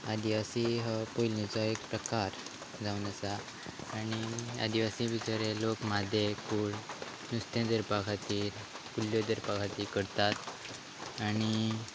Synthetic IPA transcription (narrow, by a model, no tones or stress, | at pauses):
ad̪iʋasiɦəpojlnet͡sɔek̚pɾəkaɾ | d͡zaunəsaː | ñia̰d̪iʋasĩbit͡ɕaɾelokmad̪ʱjekuːɭ | nust̪ẽd͡z̪əɾpakʰat̪iːɾ | kuljod̪əɾpakʰat̪iːkəɽt̪at̪ | aɽ̃i